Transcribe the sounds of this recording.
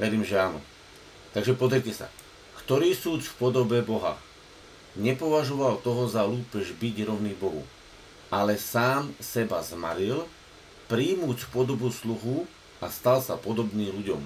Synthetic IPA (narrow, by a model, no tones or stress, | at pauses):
ʋɛɾiːmʒɛaːnɔ̰ | t̪aɡʒɛpɔzɛɾcɛsa̰ | kt̪ɔɾiːsuːt͡sfpɔd̪ɔbɛbɔɦa̰ | ɲɛpɔʋaʒɔʋalt̪ɔɦɔzaluːpɛʒbiɟɾɔʊnibɔɦṵ | alɛsaːmsɛbazma̰ɾil | pɾiːmuːt͡sfpɔd̪ɔbusluɣu | ast̪alsapɔd̪ɔbniːʎuɟɔ̰m